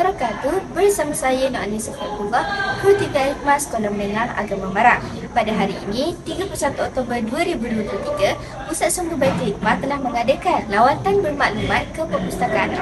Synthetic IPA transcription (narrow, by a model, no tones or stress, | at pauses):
kəɾakat̪ubərsamasajənɔʔanisəfakuɡahput̪iɡaimaskolamənəŋaha̰ɡamamaɾaŋ | padaɦaɾiːnĩt̪iɡapulusat̪uɔk̚t̪obərduaɾibuduəplut̪iɡa | musaʔ̪̚suŋɡubajt̪əik̚mat̪əlahməŋadəkanlawat̪anbərmaʔlumãnkəpəmust̪akaʔan